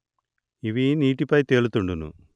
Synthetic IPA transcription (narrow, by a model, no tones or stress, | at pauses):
iʋiːniːʈːipːaːjt̪eːɭut̪ːuɳɖunːṵ